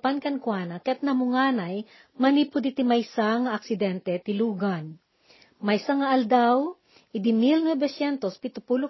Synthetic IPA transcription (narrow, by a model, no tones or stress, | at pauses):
pankɐnkwanɐkɛt̪̚nɐmʊŋaːnaj | mɐnipʊd̪ɪt̪ɪmɐjsaŋɐʔɐk̚sɪd̪ɛnt̪ɛt̪ɪluːɡan | mɐjsaŋɐʔɐld̪aw | ʔɪd̪ɪmilnwɛbɛsjɛnt̪ospɪt̪ʊpulʊ